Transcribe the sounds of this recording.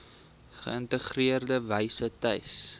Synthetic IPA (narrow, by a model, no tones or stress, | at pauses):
χə̰əntəχriərdəvɐjsətɐjs